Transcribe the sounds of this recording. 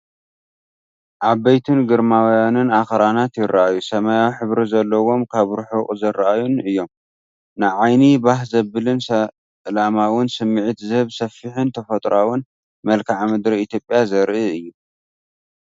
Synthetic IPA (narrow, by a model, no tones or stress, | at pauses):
ʔabːɐjt̪ʰunɡɨɾmawjanɨnaxɐɾanat̪jɪɾːaʔajusɐmajawħɨβɾizɐlːɐwo̞mkʰaβɾħukʼzɐɾaʔajunɨjːo̞m | nɨʕajnibahzɐbɨlɨnsɐ | lamawʊnsɨmːɨʕit̪zɨhɨβsɐfːiħɨnt̪ʰɐfɐt̪ʼɾawʊn | mɐlkʰaʕmɨd̪ɾiit̪ʰjo̞pʼjazɐɾʔɨɨjːu